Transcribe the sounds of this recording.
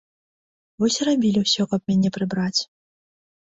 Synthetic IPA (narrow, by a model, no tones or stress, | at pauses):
vɔsʲrabʲilʲiwsʲɔkɐp̚mʲanʲɛpɾɨbɾat͡sʲ